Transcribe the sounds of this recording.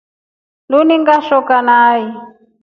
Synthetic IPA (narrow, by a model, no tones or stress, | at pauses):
luniŋɡaʃɔkanaːji